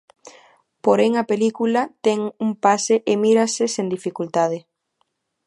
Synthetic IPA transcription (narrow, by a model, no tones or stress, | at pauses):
poɾeŋɐpelikulɐt̪ɛŋumpaseʔemiɾɐsesend̪ifikult̪að̞ɪ